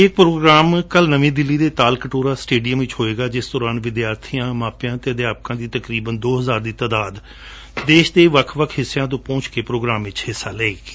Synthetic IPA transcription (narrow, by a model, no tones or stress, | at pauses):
ɪk̚pɾoːɡɾaːmkəlnəʋẽːd̪ɪlːiːd̪eːt̪aːlkəʈoːɾaːsʈeːɖijəmʋɪt͡ʃɦoːeːɡaːd͡ʒɪsd̪ɔːɾãːnʋɪd̪jaːɾt̪ʰijãːmaːpjãːt̪eːəd̪jaːp̚kãːd̪iːt̪əkɾiːbənd̪oːɦəzaːɾd̪iːt̪aːd̪aːd̪ | d̪eːʃd̪eːʋəkʰʋəkʰɦɪsːejãːt̪̬õːpɔ̃ːt͡ʃkeːpɾoːɡɾaːmʋɪt͡ʃhɪsːaːlɛeːɡe